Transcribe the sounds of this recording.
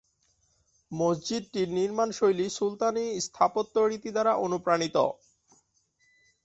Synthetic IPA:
mosd͡ʑid̪̚ʈiɾniɾmanʃojlisult̪anist̪ʰapot̪ːoɽit̪id̪aɾaʔonupɾanit̪o̰

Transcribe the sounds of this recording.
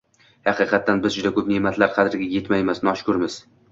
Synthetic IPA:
hɑqʰɨqʰɑt̪ːanbɪzd͡ʒʊd̪akʰɵpnemat̪ʰlaɾqʰɑd̪ɪɾɡʲaje̞t̪majmasnɒʃkʊɾmɪz̥

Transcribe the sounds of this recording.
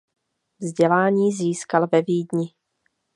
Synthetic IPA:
vzɟɛlaːɲiːziːskalvɛviːdɲɪ

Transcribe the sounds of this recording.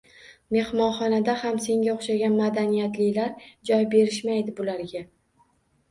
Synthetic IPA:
me̞hmɒnχɒnad̪ahamse̞ŋɡʲaoχʃaɡʲanmad̪anijat̪lɪlaɾd͡ʒɒjbe̞ɾɪʃmajd̪ɪbʊlaɾɡʲa

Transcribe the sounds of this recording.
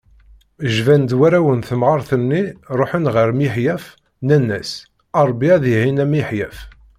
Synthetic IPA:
əʒvænd̪wæɾæwənθəmʕɑɾˤθənːiɾˤoħənʁəɾmiħjæf | nænːæs | ɑɾˤbiæðihinæmiħjæf

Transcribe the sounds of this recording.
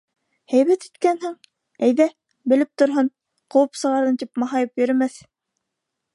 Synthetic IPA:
hæjβæt̪it̪kænɦɘŋ | æjðæ | bɘ̆lɘp̚t̪ŏɾɦɤn | qŏwɤpsɤ̆ʁɑɾɤnt̪ipmɑɦɑjɤpjɵ̆ɾɘ̆mæθ

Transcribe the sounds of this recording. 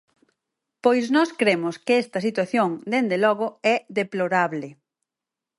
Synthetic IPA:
pojznɔskɾemʊskɪɛst̪ɐsit̪waθjoŋd̪end̪elɔɣoɛðeploɾaβle

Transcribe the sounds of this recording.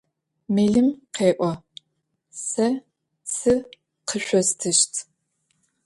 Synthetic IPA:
meːɮɨmqeːʔʷɔ | sɐ | t͡sʰɨ | qʰəɕʷɔstʰɨʃtʰ

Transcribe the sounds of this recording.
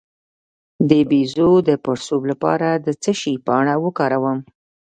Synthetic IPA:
d̪əbizod̪əpəɽsoblapɑ̰ɾad̪ət͡səʃipəɳ̃awəkɑɾawəm

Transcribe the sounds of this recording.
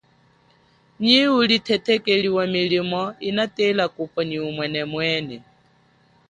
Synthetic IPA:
ɲiulit̪ʰɛt̪ʰɛkʼeɺiwamiɺimɔinat̪ʼelakʼupfɔɲiumwɛnɛmwɛːnɛ

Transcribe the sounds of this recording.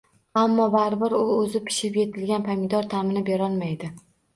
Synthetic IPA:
amːɒbaɾbɪɾʊɵzɪpʰɪ̥ʃɪpje̞t̪ʰɪlɡʲanpʰamʲɪd̪ɒɾt̪ʰamɪnɪpeɾɒlˠmajd̪ɪ

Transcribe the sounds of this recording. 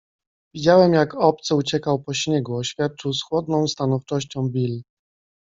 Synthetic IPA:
vʲid͡ʑawɛmjakɔp̚t̪sɘut͡ɕɛkawpɔɕɲɛɡuɔɕfʲjat̪̚t͡ʂɘwsxwɔd̪nɔ̃w̃st̪anɔft͡ʂɔɕt͡ɕɔ̃w̃bʲil

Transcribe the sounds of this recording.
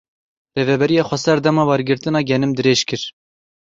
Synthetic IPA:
reːvɛbɛɾijɑːxʷɛsɛɾd̪ɛmɑːwɛɾɡɨɾt̪ɨnɑːɡʲɛnɨmd̪ɨɾeːʃkɨɾ

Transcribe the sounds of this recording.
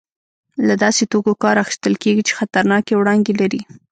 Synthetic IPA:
lad̪ɑset̪okokɑɾaxi̥st̪əlkeɡit͡ʃe̥xat̪aɾnɑkewɽɑnd̪elaɾi

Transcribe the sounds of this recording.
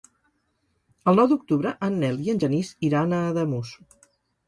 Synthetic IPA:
əlˠnɔwd̪uk̚t̪uβɾəʔənːɛliənʲʒənisiɾanəðəmusu̥

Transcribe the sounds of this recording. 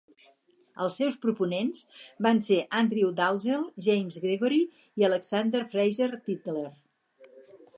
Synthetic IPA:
əlˠsːɛwspɾupunenzbanseʔand̪ɾiwd̪alˠzelˠʒɛjmzɣɾeɣɔɾi | iələksand̪əɾfɾɛjʒert̪it̪ler

